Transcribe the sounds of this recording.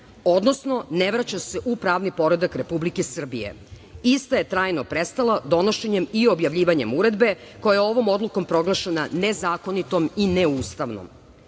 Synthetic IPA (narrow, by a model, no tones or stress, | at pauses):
od̪no̞snoneʋɾat͡ɕaseʔupɾaːʋnipo̞ɾe̞d̪akɾe̞publikesr̩bije̞̰ | ist̪aje̞t̪ɾaːjnopɾest̪alad̪o̞no̞ʃe̞ɲe̞mio̞bjaʋʎiːʋaɲe̞muɾe̞d̪be̞ko̞jajeo̞ʋo̞mo̞d̪lˠuko̞mpɾo̞ɡlˠaʃenanezaːko̞nit̪o̞mineuːst̪aʋno̰m